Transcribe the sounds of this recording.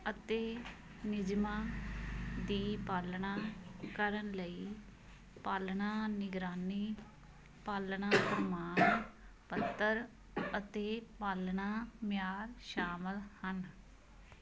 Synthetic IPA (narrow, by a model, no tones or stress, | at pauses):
ət̪eː | nɪd͡ʒmaː | d̪iːpaːlnaːkəɾənləiː | paːlnaːnɪɡɾaːniː | paːlnaːpɾəmaːnpət̪ːəɾ | ət̪eːpaːlnaːmjaːɾʃaːməlhən